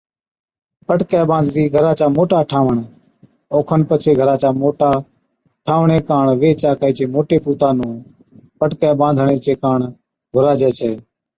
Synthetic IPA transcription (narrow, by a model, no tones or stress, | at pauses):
pəʈkeːbãːnd̪ʱt̪iːɡʱəɾaːt͡ʃaːmoːʈaːʈʰaːʋəɳ | oːkʰənpət͡ʃʰeːɡʱəɾãːt͡ʃaːmoːʈaː | ʈʰaːʋɳeːkaːɳʋeːt͡ʃaːkaiːt͡ʃeːmoːʈeːpuːt̪aːnũː | pəʈkɛːbãːnd̪ʱɳeːt͡ʃeːkaːɳ | ɡʱʊɾaːd͡ʒɛːt͡ʃʰeː